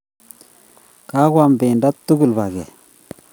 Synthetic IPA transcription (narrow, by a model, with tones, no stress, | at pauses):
ka˦kwa˦mbe˨nda˦tːu˦ɡu˨lba˨ɡɛ˨